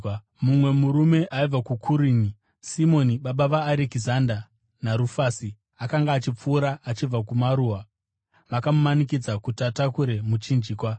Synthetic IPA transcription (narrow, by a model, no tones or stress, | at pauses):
mumwe̞muɾume̞ʔaib͡vakukʰuɾiːni | simo̞niɓaɓaʋaːɾekizanda | naɾufaːsi | akaŋɡaːt͡ʃip͡fuːɾaːt͡ʃib͡vakumaɾuwa | ʋakamumanikid͡zakutatakuɾe̞mut͡ʃind͡ʒiːkwa